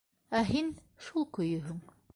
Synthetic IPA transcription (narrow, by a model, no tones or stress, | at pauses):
æɦin | ʃulˠkɵ̆jɵ̆ɦɵŋ